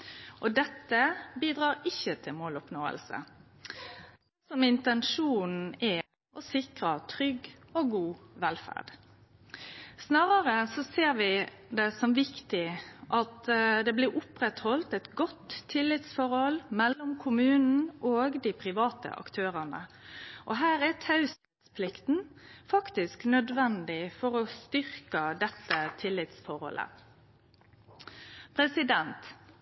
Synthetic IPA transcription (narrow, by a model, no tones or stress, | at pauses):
ʔɔd̪ɛt̪ːəbiːd̪ɾɑːɾɪçːət̪ʰɪlmoːlʊpnoːə̰lsə̰ | sɔmɪnt̪ɛnʂuːnn̩æ | ɔsɪkɾət̪ʰɾʏɡoɡuːʋɛlfæ̰ʁɖ̥ | snɑːʁəɾəsɔseːɾʋɪ | d̪ɛsɔmʋɪkt̪ɪʔɑt̪d̪ɛblɪɾʊpɾɛt̪hɔlt̪ɛt̪ɡɔt̪ʰːɪlːɪt̪sfɔɾhɔlmɛlːɔmkʰʊmʉːnn̩ʔoːɡd̪ɪpʰɾɪʋɑːt̪ə̰ʔɑ̰kt̪ʰøːɾənə̰ʔɔɦæːɾɛt̪ʰɑʉs | t̪spʰlɪkt̪n̩fɑkt̪ɪsknœd̪ʋɛnd̪ɪfɔɾɔst̪ʏɾkəd̪ɛt̪ːət̪ʰɪlːɪt̪sfɔɾhɔ̰lʔə̰ | pʰɾɛsɪd̪ɛnt̪